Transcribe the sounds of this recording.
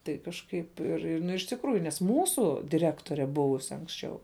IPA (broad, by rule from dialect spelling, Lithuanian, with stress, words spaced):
tɐɪ kɐʃˈkɐɪp ɪr ɪr ˈnʊ ɪʃ tʲɪkˈruːjʊ nʲɛs ˈmuːsʊ dʲɪˈrʲæːktoːrʲɛ ˈbʊʋʊsʲɪ ɐŋksʲˈt͡ʃʲɛʊ